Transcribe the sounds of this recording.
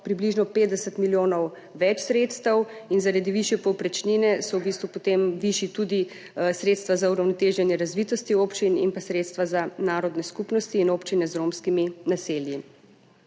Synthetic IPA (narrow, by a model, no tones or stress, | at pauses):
pɾibliʒnɔpeːt̪d̪ɛsət̪miljoːnɔw | ʋɛt͡ʃsɾeːt̪st̪əwinzaɾad̪iʋiʃjɛpɔwpɾɛt͡ʃninɛsɔwbist̪ʋupot̪emʋiʃit̪ud̪i | sɾeːt̪st̪ʋazauɾawnɔt̪eːʒɛnjɛɾazʋit̪ɔst̪ioːpt͡ʃinḭnpasɾeːt̪st̪ʋazanaːɾɔd̪nɛskupnɔst̪iːnoːpt͡ʃinɛzɾomskiminaseːlji